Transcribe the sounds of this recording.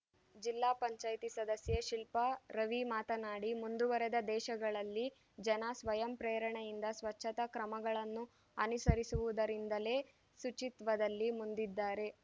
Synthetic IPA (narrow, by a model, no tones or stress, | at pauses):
d͡ʒilːaːpɐɲt͡ʃaːjt̪isɐd̪ɐsjeʃilpɐɾɐʋimaːt̪ɐnaːɽimund̪uʋɐɾed̪ɐd̪ɛːʃɐɡɐɭɐlːi | d͡ʒɐnɐsʋɐjɐmpɾeːɾɐɳejind̪ɐsʋɐt͡ʃːʃʰɐt̪ɐkɾɐmɐɡɐɭɐnːu | ɐnusɐɾisuʋud̪ɐɾind̪ɐle̞ː | sut͡ʃit̪ʋɐd̪ɐlːimund̪id̪ːaːɾe̞